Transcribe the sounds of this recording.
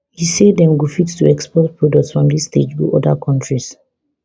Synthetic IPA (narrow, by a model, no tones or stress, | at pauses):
hiseddɛ̃mɡufitstuɛkspɔtpʰɹɔdɔk̚tsfɹɔ̃mdisted͡ʒwuʔɔdakʰɔ̃ntɹis